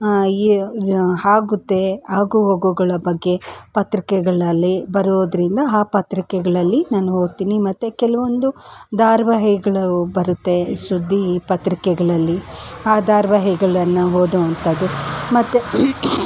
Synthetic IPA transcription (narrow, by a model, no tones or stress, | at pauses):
i | haːɡut̪ːe̞aːɡuɦoɡuɡɐɭɐbɐɡːe̞pɐt̪ɾikɛɡɐɭɐlːibɐɾoːd̪ɐɾind̪ɐaːpɐt̪ɾikɛɡɐɭɐlːinaːnuɦoːɡt̪iːnimɐt̪ːekɛlɐʋond̪ud̪aːɾʋaɦiɡɐɭbɐɾut̪ːe̞sud̪ʱːipɐt̪ɾikɛɡɐɭɐlːiaːd̪aːɾʋɐɦiɡɐɭɐnːɐɦoːd̪uɐnt̪ɐd̪umɐt̪ːe